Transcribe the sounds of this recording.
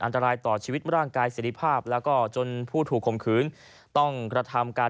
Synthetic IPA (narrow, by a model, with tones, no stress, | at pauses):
ʔa˧nt̪a˧ɾaː˧jt̪ɔː˨˩t͡ɕʰiː˧wi˦˥t̪̚ɾaː˥˩ŋkaː˧jseː˩ɾi˦˧˥pʰaː˥˩p̚lɛː˦˥wkɔː˥˩t͡ɕo˧npʰuː˥˩t̪ʰuː˨˩kʰːo˨˩mkʰɯː˩˦n | t̪ɔ˥˩ŋkɾa˧t̪ʰa˧mkaː˧